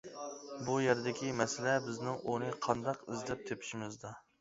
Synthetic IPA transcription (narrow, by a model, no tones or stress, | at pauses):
bujeɾd̪ɪkʲimɛsɪlɛbɪznɪŋonɨqʰɑnd̪ɑqɪzlɛp̚t̪ʰepʰɪ̥ʃimɪzd̪u